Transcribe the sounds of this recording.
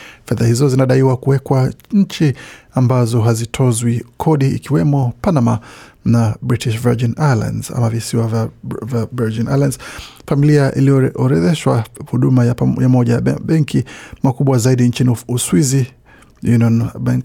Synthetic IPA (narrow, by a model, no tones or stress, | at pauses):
fɛðahizɔzinaɗaiwakuwɛkwaɲ̩t͡ʃiambazɔɦazitʰɔzwikʰɔɗḭːkiwɛmɔpanamanabɾitiʃvid͡ʒinajala̰nz̥a̰mavisiwavavavɛɹd͡ʒina̰jlandz̥familiaʔḭlijɔɔɾɛðɛʃwahuɗumajajamɔʄaɓɛŋkʰimakuɓwazaiɗint͡ʃiniuswizi | juniɔnbaŋk